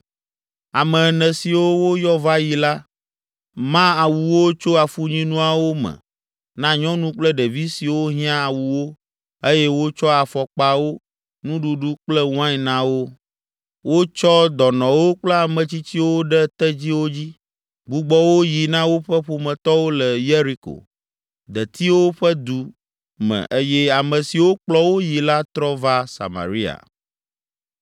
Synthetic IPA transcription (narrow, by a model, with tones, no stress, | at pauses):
a˨mɛ̃˨nɛ̃˨si˨wo˦wo˦jɔ˦va˦ji˨la˦ | mã˦a˨wu˨wo˦t͡ʃo˦a˨fu˦ɲĩ˦nũ˦a˨wo˦mɛ̰̃˨ | nã˦ɲɔ̃˦nũ˦k͡plɛ˦ɖɛ˨vi˦si˨wo˦ɦĩ˦ã˦a˨wu˨wo˦ | e˦jɛ˦wo˦t͡ʃɔ˦a˨fɔ˨k͡pa˨wo˦ | nũ˦ɖu˨ɖu˦k͡plɛ˦wã˦i˨nã˨˦wo˦ | wo˦t͡ʃɔ˦d̪ɔ˨nɔ̃˨wo˦k͡plɛ˦a˨mə̃˨t͡ɕi˦t͡ɕi˦wo˦ɖɛ˦t̪ɛ˦d͡ʑi˦wo˦d͡ʑi˦ | ɡ͡bu˦ɡ͡bɔ˦wo˦ji˨nã˦wo˦ɸə˦ɸo˨mə̃˨t̪ɔ˦wo˦lə˨je˦ɾi˦ko̰˨ | d̪ə˨t̪i˦wo˦ɸə˦d̪u˦ | mə̰̃˨ʔe˦jɛ˦a˨mə̃˨si˨wo˦k͡plɔ˦wo˦ji˨la˦t̪ɾɔ˦va˦sa̰˨ma̰˨ɾi˦a̰˨